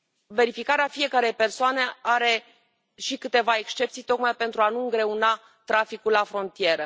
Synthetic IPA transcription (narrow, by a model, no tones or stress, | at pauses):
ve̞ɾifikaɾeafije̞kəɾe̞jpe̞rsoane̞aɾe̞ | ʃikɨt̪e̞vae̞kst͡ʃe̞p̚t̪sijt̪o̞kmajpe̞nt̪ɾuanuɨŋɡɾe̞una | t̪ɾafikulːafɾo̞nt̪ije̞ɾə